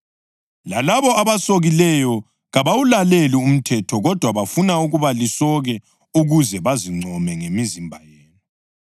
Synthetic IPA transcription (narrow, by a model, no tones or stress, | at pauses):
lalaβɔʔaβasoɣilɛjɔ | ɣaβawulalelium̩tʰɛtʰɔɣɔd̥ʱwaβafunauɣuβalisɔɣɛ | uɣuzɛβaziŋ͡ǀʱɔmɛŋemizimbʱajeːni